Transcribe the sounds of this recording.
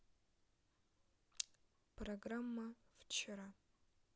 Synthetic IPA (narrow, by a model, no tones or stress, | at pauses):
proɡramːɐft͡ʃʰɪɾa